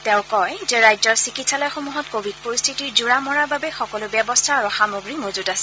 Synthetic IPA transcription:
tɛʊ̃kɔjzɛɹajzɔɹsikitsalɔjxomuɦɔtkobʱid̚poɹist̪ʰitiɹzuɹamɔɹababɛxɔkɔlʊbjɛbɔstʰaːɹʊxamoɡɹimozudasɛ̥

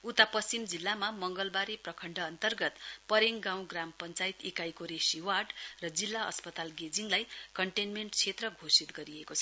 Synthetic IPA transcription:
ut̪apʌst͡simd͡zilːamamʌŋɡʌlbaɾiprʌkʰʌɳɖʱʌːnt̪ʌrɡʌt̪pʌɾeŋɡãw̃ɡrampʌnt͡sajit̪ekajkoɾesiwaɖrʌd͡zilːaʌ̰spʌt̪alɡed͡ziŋlajkʌɳʈenmeɳʈt͡sʰet̪rʌɡʱosit̪ɡʌɾiekot͡sʰʌ

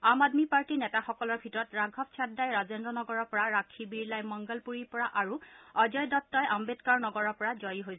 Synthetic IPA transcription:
amadmipaɹtinɛtaxɔkɔlɔɹbʱitɔɹɔtɹaɡʱɔp̚t͡ʃʰatdːajɹazendɹɔnɔɡɔɹɔɹpɔɹaɹakʰibiɹlajmɔŋɡɔlpuɹiɹpɔɹaʔaɹuɔdɔjdɔtːɔjʔambetkaɹnɔɡɔɹɔpɔɹazɔjiɦoj

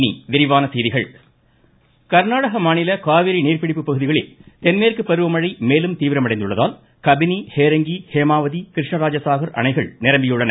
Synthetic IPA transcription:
nḭʋɪɾɪʋaːnɐsɛːðɪɣɐɭ | kɐɾnaːɽɐɣɐmaːnɪlɐkaːʋɪɾiniːrpɪɽɪpːɯpːɐɣɯðɪɣɐɭɪlt̪ɛnmeːrkɯpːɐɾɯʋɐmɐɻɐɪmeːlɯmt̪iːʋɪɾɐmɐɽɐɪnd̪ɯɭːɐðaːl | kɐbɪniheːɾɐŋɡiheːmaːʋɐðikɪɾɪʂɳɐɾaːd͡ʒɐsaːɣɐɾʔɐ̰ɳɐɪɣɐ̰ɭnɪɾɐmbɪjɯɽɐnɐ

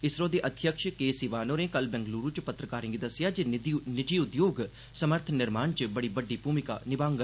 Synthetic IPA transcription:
ɪsɾõːd̪eːʔɐd̪ʱjəkʃkeːsiːʋaːnoːɾẽːkəlbɛ̃ŋɡluːɾũt͡ʃpət̪ɾəkaːɾẽːŋɡid̪ɐsɪjaːd͡ʒenɪd͡ʒiːʊd̪joːɡ | səməɾt̪ʰnɪɾmaːɳt͡ʃəbəɽiːbəɖːiːpuːmɪkaːnɪbãːŋɡ

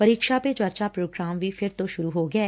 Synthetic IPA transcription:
pəɾiːkʃaːpet͡ʃwəɾt͡ʃaːpɾoːɡɾaːmʋiːpʰɪɾt̪oːʃʊɾuːɦoːɡɪɛː

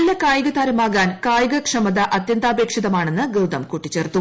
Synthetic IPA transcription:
lːɐkaːjɐɣɐt̪aːɾɐmaːɣaːnkaːjɐɡɐkʂɐmɐd̪ɐʔɐt̪jɐnt̪aːbeːkʂiðɐmaːɳe̞nːɨɡewd̪ɐmkuːʈːit͡ɕːeːrt̪ːu

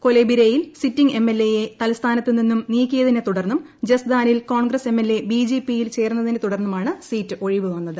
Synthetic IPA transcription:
ko̞lebiɾejilsitːiŋɡe̞mːelːe̞je̞t̪ɐlst̪ʰaːnɐt̪ːininːumniːkʲːijɐðinet̪uɽɐrnːum | d͡ʑesd̪aːnilko̞ːɳɡrɐse̞mːelːe̞bid͡ʑeːpːijilt͡ɕe̞ːrunːɐðinet̪uɽɐrnːɐmaːɳɨsiːtːɨʔo̞ɻiʋɨʋɐnːɐðɨ

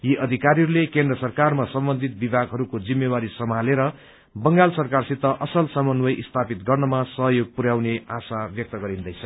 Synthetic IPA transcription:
jiʔʌd̪ʱikaɾiɦʌɾulekend̪rʌsʌrkarmasʌmbʌnd̪ʱit̪̚bibʱaɡɦʌɾukod͡zimːewaɾisʌmaleɾʌ | bʌŋɡalsʌrkarsit̪ːʌʔʌsʌlsʌmʌnwʌjʔist̪ʰapit̪ɡʌrnʌmasʌɦʌjoɡ̚puɾjawneasabjʌk̚t̪ʌɡʌɾind̪ʌjt͡sʰʌ

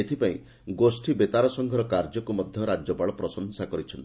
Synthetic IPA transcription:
et̪ʰipaĩ | ɡosʈʰibet̪aɾɔsɔŋɡʱɔɾɔkaɾd͡ʒɔkumɔd̪ʱjɔɾad͡ʒjɔpaɭɔpɾɔsɔnsakɔɾit͡ʃʰɔnt̪

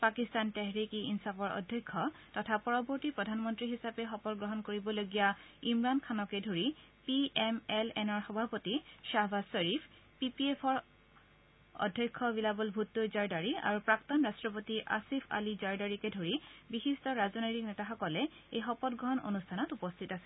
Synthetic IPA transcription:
pakistantɛɦɹikiinsapɔɹɔ̰dʱjɔjkʰːɔtɔtʰapɔɹɔbɔɹtipɹɔdʱanmɔntɹiɦisapɛxɔpɔt̚ɡɹɔɦɔnkoɹibɔloɡijaimɹankʰanɔkɛdʱoɹipiɛmɛlɛnɔɹxɔbʱapotiʃabasɔɹipʰ | pipiɛpʰɔɹ | ɔ̰dʱjɔjkʰːɔbilabɔlbʱutːojzaɹdaɹia̰ɹupɹaktɔnɹastɹɔpotiʔa̰sipʰa̰lizaɹdaɹikɛdʱoɹibixistɔɹaznojtiknɛtaxɔkɔlɛejxɔpɔtɡɹɔɦɔno̰nustʰanɔtupɔstʰitasil

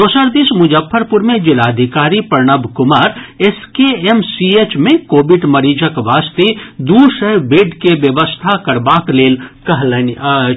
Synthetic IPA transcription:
d̪oːsəɾd̪ismʊd͡ʒəfːəɾpʊɾmẽd͡ʒɪlaːd̪ʱɪkaːɾipɐɾɳəbkʊmaːɾeskeemsiet͡ʃmẽkoːbɪɖmɐɾiːd͡ʒəkʋaːst̪ed̪uːʃəɦbeːɖkeʋjəʋəst̪ʰakɐɾbaːkleːlkɐɦln

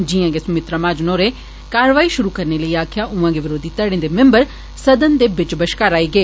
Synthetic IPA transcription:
d͡ʒijãːɡesɐmɪt̪ɾamaːd͡ʒnoːɾe | kaːɾəʋaːiːʃʊɾukəɾneləiːaːkʰɪjaːʔʊʋãːɡeʋɪɾoːd̪it̪əɽẽːd̪emɛ̃mbəɾ | səd̪ənd̪eːbɪt͡ʃbəʃkaːɾaːiːɡeː

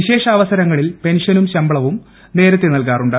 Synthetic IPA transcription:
iɕe̞ːʂɐːʋɐsɐɾɐŋːɐɭilpe̞nʂɐnumɕɐmbɐɭɐʋum | ne̞ːɾɐt̪ːenɐlkaːruɳɖɨ

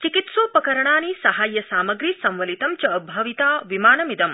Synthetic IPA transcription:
t͡ʃikit̪suːpɐkɐɾɐɳaːnisɐɦaːjːɐsaːmɐɡɾisɐ̃mʋɐlit̪ɐmt͡ʃɐbʱɐʋit̪aːʋimaːnɐmid̪ɐm

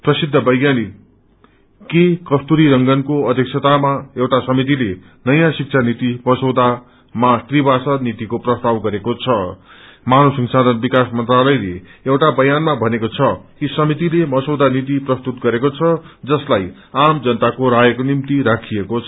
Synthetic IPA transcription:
prʌsid̪ʱːʌbʌjɡjani | kekʌst̪uɾiɾʌŋɡʌnkoʌd̪ʱjek̚sʰʌt̪amaewʈasʌmit̪̬ile | nʌjãsik̚t͡sʰanit̪imʌsowd̪a | maʈribasʌnit̪ikoprʌst̪awɡʌɾekot͡sʰʌmanosʌŋsad̪ʱʌnbikasmʌnt̪ralʌjleewʈabʌjanmabʱʌnekot͡sʰʌkisʌmit̪ilemʌsowd̪anit̪̬iprʌst̪ut̪̚ɡʌɾekot͡sʰʌd͡zʌslaj | amd͡zʌnt̪akoɾajʌkonimt̪iɾakʰiekot͡sʰʌ

